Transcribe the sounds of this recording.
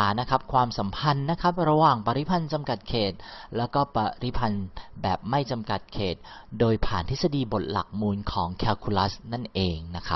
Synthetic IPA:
aː˩˦na˦˥kʰa˦˥p̚kʰwaː˧msa˩˦mpʰa˧nːa˦˥kʰa˦˥p̚ɾa˧waː˨˩ŋpa˧ɾi˦˥pʰa˧nt͡ɕa˧mka˨˩t̪̚kʰeː˨˩t̪̚lɛː˦˥wkɔː˥˩pa˧ɾi˦˥pʰa˧nbɛː˨˩p̚ma˥˩jt͡ɕa˧mka˨˩t̪̚kʰeː˨˩t̪̚doː˧jpʰa̰ː˨˩nt̪ʰi˦˥sa˧diː˧bo˨˩t̪̚la̰˨˩k̚muː˧nkʰɔː˩˦ŋkʰɛː˧wkʰuː˧la˦˥sna˥˩nʔeː˧ŋna˦˥kʰa˦˥p

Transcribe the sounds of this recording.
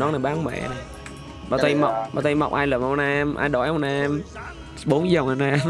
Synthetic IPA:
nɔ˨˦naː˨˩jɓaː˨˦ŋmɛ̰˧˨˩j | ɓa̰ː˨˩t̪ə˧jma˨˩wk͡p̚ɓaː˨˩t̪ə˧jma˨˩k͡p̚ʔaː˧jlɨ˨˩əŋha˨˧wnʔaː˧mʔa̰ː˧jɗɔ˧˩jhwnaː˧m | ɓo˨˦nzə˨˩wŋ͡ma˧˩naː˧m

